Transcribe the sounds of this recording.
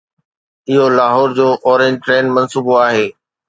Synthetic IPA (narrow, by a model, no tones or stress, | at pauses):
ɪɦolaːɦɔːɾd͡ʑoːʔɔːɾẽɲd͡ʑʈɾeːnmɐ̃nsuːboaːɦeː